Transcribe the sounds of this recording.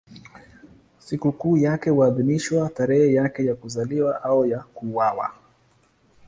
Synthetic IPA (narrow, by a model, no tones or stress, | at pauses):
sikukuːjakɛwaːðiniʃwataɾɛhɛjakɛjakuzaliwaʔaujakuwawa̰